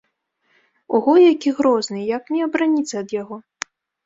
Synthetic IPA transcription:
uɣɔjakʲiɣɾɔznɨjaknʲɛɐbɾanʲit̪sɐɐd̪jaɣɔ

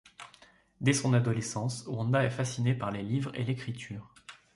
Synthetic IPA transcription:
d̪esɔ̃nad̪ɔlesɑ̃swɑ̃nd̪aɛfasinepaʁlelivʁḛlekχit̪ʰyːʁ

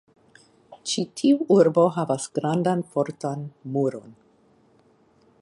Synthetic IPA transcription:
t͡ʃitʰiuʔuɾbo̞ɦavasɡ̥ɾandanfo̞ɾtanmuɾo̞̰n

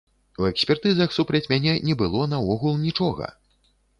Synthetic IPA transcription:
uɛksʲpʲɛrt̪ɨzɐxsupɾɐt͡sʲmʲanʲɛnʲɛbɨlˠɔnɐvɔɣulˠnʲit͡ʂɔɣɐ̰

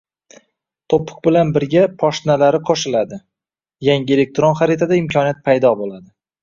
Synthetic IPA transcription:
t̪ʰopʰːʊ̥q̚bɪlanbɪɾɡʲapʰɒʃnalaɾɪqʰoʃɪlad̪ɪ | jaŋʲɪelek̚t̪ɾonχaɾet̪ʰad̪aɪmkʲʰɒniat̪̚pʰajd̪ɒbolad̪ɪ

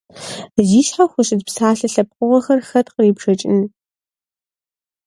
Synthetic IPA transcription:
ziːɬħaxʷʊɕʼɪdpsaːɬɨɬɐp̚qʷʼʊʁɐxɐrxɐtqəriːbʂɐt͡ʃʼɪnɨ

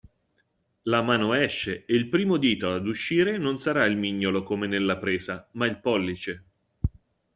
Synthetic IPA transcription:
lamaːnoɛʃːeeilpɾiːmod̪iːt̪oad̪uʃːiːɾenonsaɾailmiɲːolokomenelːapɾeːzamailpɔlːit͡ʃe

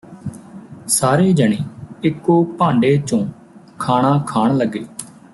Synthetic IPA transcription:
saːɾeːd͡ʒəɳeːɪkːoːpãːɳɖeːt͡ʃõː | kʰaːɳ̃ãːkʰaːɳləɡːeː

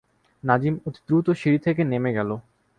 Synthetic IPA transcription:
nad͡ʑimut̪i̥t̪ːɾut̪oʃiɾit̪ʰek̬enemeɡɛlo

